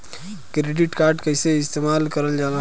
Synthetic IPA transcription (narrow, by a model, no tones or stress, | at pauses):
kɾeɖiʈkaɾɖkəɪseɪst̪emalkəɾəld͡ʒala